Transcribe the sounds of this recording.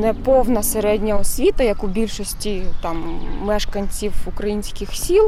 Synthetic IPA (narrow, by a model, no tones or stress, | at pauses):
nɛpɔwnɐseɾɛdʲnʲɐɔsʲʋʲit̪ɐjɐkubʲilʲʃɔsʲtʲit̪ɑmːɛʃkɐnʲt͡sʲiwukɾɐjinʲsʲkʲɪxsʲilˠ